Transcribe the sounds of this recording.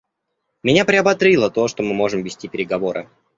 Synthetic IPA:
mʲɪnʲapɾʲɪɐbɐt̪ɾʲilˠət̪o̞ʂt̪o̞mɨmo̞ʐɨmvʲɪsʲtʲipʲɪɾʲɪɡɐvo̞ɾɨ̰

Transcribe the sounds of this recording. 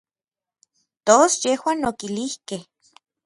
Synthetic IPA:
t̪osjehwaːnokilihkeh

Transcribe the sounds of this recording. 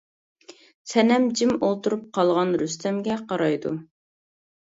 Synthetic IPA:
sʰɛnɛmd͡ʒimolˠt̪uɾup̚qʰɑlˠʁɑnɾyst̪ʰɛmɡʲɛqʰɑɾɑjd̪u

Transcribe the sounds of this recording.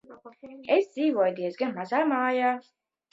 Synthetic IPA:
ezd̪ziːvuɔjt̪iɛsɡanmazaːmaːjaː

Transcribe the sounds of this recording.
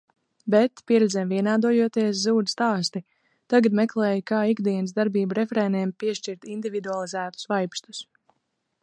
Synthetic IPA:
bɛt̪pʲiɛɾɛd̪zɛmviɛnaːd̪uɔjuɔt̪iɛs̬zuːd̪st̪aːst̪i | t̪aɡad̪mɛklˠɛːjkaːiɡd̪iɛnsd̪aɾbiːbuɾefɾɛniɛmpiɛʃt͡ʃiɾt̪ind̪ivid̪ualˠizæːt̪u̥svajpst̪u̥s

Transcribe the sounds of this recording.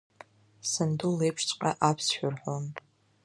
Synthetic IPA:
sɨndulejpʰʂt͡sʼqʲʼaʔapʰsʃᶣarħʷonʼ

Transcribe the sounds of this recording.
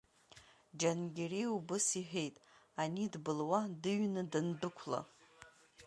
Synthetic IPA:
d͡ʒanɡʲeriubɨsiħᶣe̞jtʼanidbɨlwadɨɥnɨdɨndɨkʷʰla̰

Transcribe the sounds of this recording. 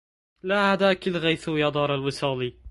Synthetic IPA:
laːhad̪aːkɪlɣajθujɑd̪ˤɑːɾˤalwɪsɑːli

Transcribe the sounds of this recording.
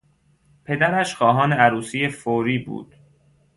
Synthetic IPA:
pʰe̞d̪æɾæʃxɒːɦɒːneæɾuːsijefoːɾiːbṵːd̪̥

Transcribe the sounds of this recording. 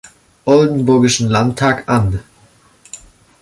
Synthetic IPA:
ʔɔldn̩bʊɐɡɪʃn̩lantʰːaːkʔan

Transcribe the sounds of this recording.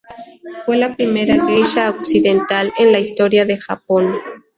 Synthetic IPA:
fwe̞lapɾime̞ɾaɣɾeʃaoksiðent̪alenlaist̪o̞ɾjaðe̞xa̰po̞n

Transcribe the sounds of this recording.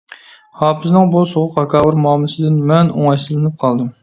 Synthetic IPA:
hɑːpʰɨznɨŋbusoʁʊqɑkʰɑːwɨɾmuɑːmlˠɨsɨd̪ɪnmɛno̰ŋɑjʃɨlˠɨnɨp̚qʰɑlˠd̪ɨm

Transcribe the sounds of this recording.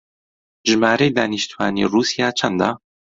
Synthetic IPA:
ʒmaːɾejd̪aːniʃt̪uwaːnḭːruːsijaːt͡ʃʰɐnd̪aː

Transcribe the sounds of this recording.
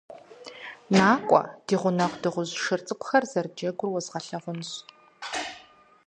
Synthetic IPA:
naːkʷʼɔ̰d̥iːʁʷʊnɐʁʷdɨʁʷʊʑʂɨrt͡sʼɨkʷʼʊxɐrzɐrd͡ʒɐɡʷʊrwɔzʁɐɬɐʁʷʊnɕ

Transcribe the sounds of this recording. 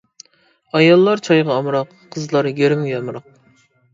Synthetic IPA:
ɑjɑlˠːɑɾt͡ʃʰɑjʁɑːmɾɑqʰːəzlˠɑɾɡʲøɾɪmʲjɑmɾɑq̚

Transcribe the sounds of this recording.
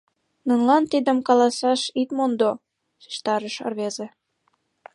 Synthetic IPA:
nunlɑnt̪id̪əmkɑlɑsɑʃit̪mond̪o | si̥ʃt̪ɑɾəʃə̰rβeze

